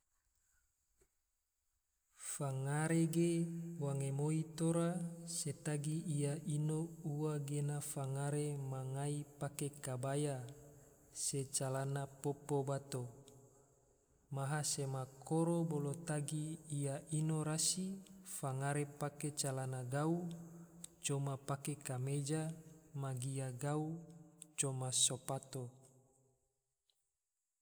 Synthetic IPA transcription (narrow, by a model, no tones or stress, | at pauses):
faŋaɾeɡewaŋemoit̪oɾaset̪aɡiːjaʔinouwaɡenafaŋaɾemaŋaipakekabaja | set͡ʃalanapopobat̪o | maɦasemakoɾobolot̪aɡiːaʔinoɾasifaŋaɾepaket͡ʃalanaɡau | t͡ʃomapakekamed͡ʒamaɡiaɡaut͡ʃomasopat̪o